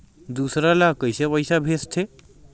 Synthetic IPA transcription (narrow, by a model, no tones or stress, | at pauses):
d̪usɾalakəjsepəɪsabʱest̪ʰe